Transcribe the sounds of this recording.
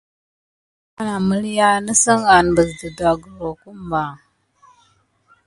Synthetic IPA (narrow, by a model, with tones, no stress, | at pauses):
a˨na˨mə˦lja˦nə˦sə˦ŋa˨nbə˨zdə˨da˨ɡə˨ɾo˨ku˦mba˨